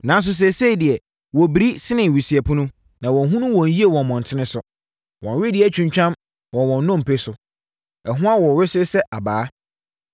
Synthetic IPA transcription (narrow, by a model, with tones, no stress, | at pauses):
nã˨ns̬ʊ˦s̬ɛ˨se˦i˨dɪ˨ɛ˨ | wɔ˨bi˨ɾi˦sɪ˦nɪ̃˨ɥi˨si˨ɛ˨pʰʊ̃˦nʊ̃˦ | nã˨wɔ̃˨nɦũ˦nʊ̃˦wɔ̃˨n̩˨ji˦e˨wɔ̃˨nmɔ̃˨n˨tʰɪ˦nɪ̃˦sʊ˨ | wɔ̃˨n˨ɥɪ˦dɪ˨ɛ˨t͡ɕᶣũ˨ɲt͡ɕᶣã˦m | wɔ̃˨wɔ̃˨nːʊ̃˦˨m̩˨pʰe˦sʊ˨ | ɛ˨ɦʊ̃˦a˦wɔ˨ɾɪ˦sɪ˦sɛ˦ʔa˨baː˨˦